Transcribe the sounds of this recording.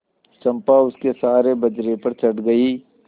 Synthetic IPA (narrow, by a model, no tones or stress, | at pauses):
t͡ʃɐ̃mpaʊskesaːɾebɐd͡ʒɾepɐɾt͡ʃɐɽɡɐiː